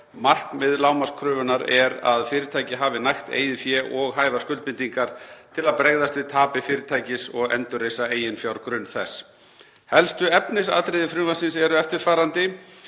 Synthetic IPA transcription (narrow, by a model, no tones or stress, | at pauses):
mar̥knmɪðlaːwmaskʰɾʏːvʏnaɾɛɾa̰ðfɪːɾɪt̪ʰaːjcɪɦaːvɪnajxt̪ḛːjðɪfjɛʔɔɣɦaːjvaskʏlmɪnt̪iŋkaɾ̥t̪ʰɪlaðpɾeɣðast̪vɪðt̪ʰaːpɪfɪːɾɪt̪ʰaːjcɪsɔɣɛ̰nt̪ʏrejsaeːjɪnfjawɾkɾʏnθɛsː | hɛlst̪ʏɛpnɪsa̰t̪ɾeðɪfɾʏːvasɪnsɛɾʏɛft̪ɪɾ̥faːɾant̪ɪ